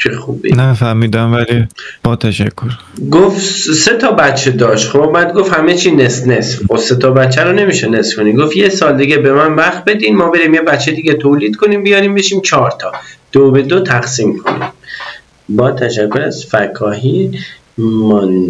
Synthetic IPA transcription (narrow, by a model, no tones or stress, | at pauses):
t͡ʃʰexubḭnæfæɾmiːd̪æmvælib̥ɒːt̪ʰæʃækʰːoɾ | ɡofse̞t̪ʰɒːbæt̪t͡ʃʰːed̪ɒːʃt̪xobæd̪̚ɡofhæmet͡ʃʰiːnesnesfxoset̪ʰɒbæt̪t͡ʃʰːæɾone̞miːʃene̞sfkʰoniɡofjesɒːld̪iɡebe̞mænvæxt̪̚be̞d̪iːnmɒːbe̞ɾiːmjebæt̪t͡ʃʰːed̪iːɡʲet̪ʰoːliːd̪kʰoniːmbijɒːɾiːmbeʃiːmt͡ʃʰɒːɾt̪ʰɒːd̪̥obe̞d̪ot̪ʰæxsiːmkʰo̞̰nḭm | bɒːt̪ʰæʃækʰːoɾæz̥fækʰɒːɦi | mɔn